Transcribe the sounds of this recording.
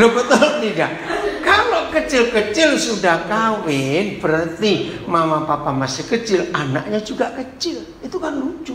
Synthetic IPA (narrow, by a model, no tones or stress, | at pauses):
obət̪ʊlt̪idaʔkalokət͡ʃɪlkət͡ʃɪlsudahkawɪnb̥əɾərt̪imamapapamasɪkət͡ʃɪlanaʔ̚ɲad͡ʒuɡaʔkət͡ʃɪl | it̪ukanluɲt͡ʃʊ